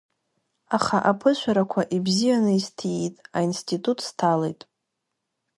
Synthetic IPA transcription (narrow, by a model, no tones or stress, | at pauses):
aχaʔapʰɨʃʷaɾakʷʰaʔibzijanɨistʰiitʼainstʰʼitʼutʰʼstʰalḛjtʼ